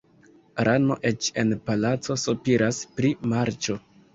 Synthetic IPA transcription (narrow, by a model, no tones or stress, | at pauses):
ɾʔano̞̰ʔe̞t͡ʃe̞̰npalat͡so̞supiɾaspɾimaɾt͡ʃo̞